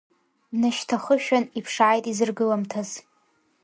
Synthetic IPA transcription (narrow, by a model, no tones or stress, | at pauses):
naʃtʰaχəʃᶣanipʰʂʕajtʼizɨrɡɨlamtʰaz̥